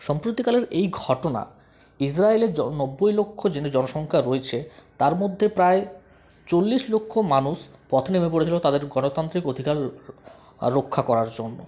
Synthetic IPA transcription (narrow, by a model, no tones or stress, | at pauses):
ʃɔmpɾot̪ikaleɾejɡʱɔʈona̰ | is̬ɾaeleɾnɔbːojlokʰːod͡ʑened͡ʑɔnoʃɔŋkʰaɾoet͡ɕʰet̪aɾmod̪ʱːepɾae | t͡ɕolːiʃlokʰːomanuʃpɔt̪ʰnemep̬oɽet͡ɕʰilot̪ad̪eɾɡɔnot̪ant̪ɾikod̪ʱikaɾ | ɾokʰːakɔɾaɾd͡ʑonːo̰